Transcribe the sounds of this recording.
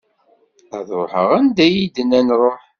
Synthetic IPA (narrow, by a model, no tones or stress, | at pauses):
æðɾoħə̰ʁænd̪æjid̪ənænɾˤoħ